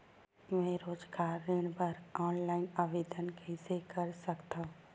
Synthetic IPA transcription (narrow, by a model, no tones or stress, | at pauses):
mẽɾoːd͡ʒɡaːɾːeɽ̃bəɾɔːnlaːɪnaːʋeːd̪ənkesekəɾsəkt̪aɦũ